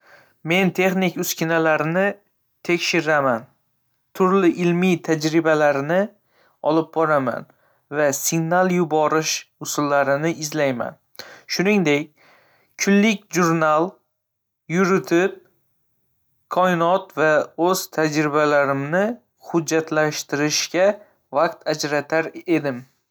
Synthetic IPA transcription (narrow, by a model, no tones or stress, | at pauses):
me̞nt̪ʰe̞χnɪkʲʊskʲɪnalaɾɪnɪ | t̪ʰekʲʃɪɾaman | t̪ʰʊɾlɪʔɪlmijt̪ʰad͡ʒɾɪbalaɾnɪ | ɒ̰lˠɪp̚bɒɾama̰n | vasɪɡnalˠjʊbɒɾɪʃʊsʊlːaɾɪnɪɪzlajma̰n | ʃʊnɪŋd̪ekʲ | kʰːʊnlɪkʲʒʊɾnalˠ | jʊɾɪt̪ʰɪp̚ | kʰɒɪnɒt̪vaɵz̥t̪ʰad͡ʒɾɪbalaɾɪmnɪ | hʊd͡ʒːat̪ʰlaʃt̪ɪɾɪʃkʲa | vaq̚t̪ʰad͡ʒɾat̪ʰaɾe̞d̪ɪm